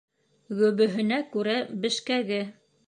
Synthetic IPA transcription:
ɡɵ̆βɵ̆ɦɘ̆nækʉɾæbɘ̆ʃkæɡɘ

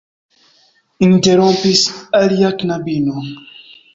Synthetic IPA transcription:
inteɾɔ̃mpisaljaknabino

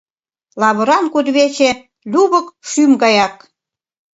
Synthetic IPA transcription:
lɑβə̆ɾɑnkud̪βet͡ɕe | lʲuβə̆kʃymɡɑjɑk

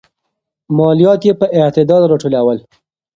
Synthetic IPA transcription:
mɑlijɑt̪jepəʔɪt̪ɪd̪ɑd̪ɾɑʈulawəl

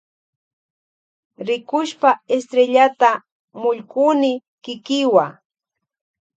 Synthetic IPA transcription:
ɾɪkʊʃpaest̪ɾeʎat̪a | mʊʎkʊnɪkɪkɪwa

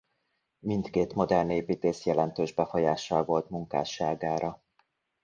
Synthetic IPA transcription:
mint̪keːt̪mo̞d̪ɛrneːpiːt̪eːsjɛlɛnt̪øːʒbɛfo̞jaːʃːɒlvo̞lt̪muŋka̰ːʃaːɡaːɾʔɒ

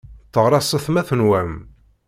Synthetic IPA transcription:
θəʁɾˤɑsˤəθmæθənwæm

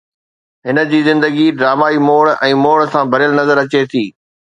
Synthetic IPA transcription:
ɦɪnə̆d͡ʑiːzɪ̃nd̪əɡiɖɾaːmaːimoːɭɛ̃ːmoːɭsãbʱɐɾɪjəlnɐzəɾɐt͡ɕet̪ʰiː

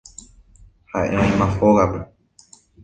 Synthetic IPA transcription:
haʔeõẽmãhoɣape

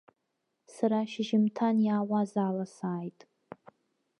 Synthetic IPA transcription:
saɾaʃɪʒɪmtʰanjaːwazaːlasaːjtʼ

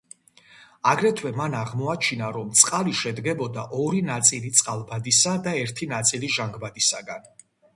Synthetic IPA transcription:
aɡɾɛt̪ʰwɛmanaʁmɔat͡ʃʰinaɾɔmt̪sʼqʼaliʃɛd̪ɡɛbɔd̪aʔɔɾinat̪sʼilit̪sʼqʼalˠbad̪isad̪aɛɾt̪ʰinat̪sʼiliʒaŋɡbad̪isaɡan

